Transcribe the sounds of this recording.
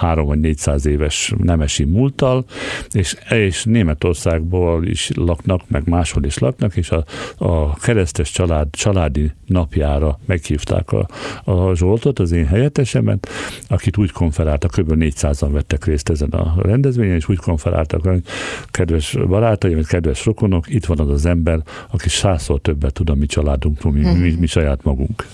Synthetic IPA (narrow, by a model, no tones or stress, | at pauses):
haːɾo̞mvɒɟneːcsaːzeːvɛʃnɛmɛʃimuːlt̪ɒleːʃeːʃneːmɛt̪o̞rsaːɡboːlḭʃlɒknɒkmɛ̰ɡmaːʃho̞liʃlɒ̰knɒkeːʃɒ | kɛɾɛst̪ɛʃt͡ʃɒlaːd̪t͡ʃɒlaːd̪inɒpjaːɾɒmɛkhiːft̪a̰ːkɒ̰ɒʒolt̪o̞t̪ɒzeːnɦɛjɛt̪ːɛʃɛmɛ̰nɒkit̪uːckʰo̞ɱfɛɾaːlt̪ɒkːøɾbølneːcsaːzɒɱvɛt̪ːɛkreːst̪ɛzɛnɒ̰rɛnd̪ɛzʋeːɲɛneːʃuːcko̞ɱfɛɾa̰ːlt̪ɒ̰kʋɛokɛd̪ʋɛʃbɒɾaːt̪ɒjimɛckɛd̪ʋɛʃrokono̞kit̪ʋɒnɒzɒzɛmbɛɾɒkiʃaːsort̪øbːɛt̪ːud̪ɒmit͡ʃɒlaːd̪uŋkroːlmimimiʃɒjaːt̪mɒɡṵŋk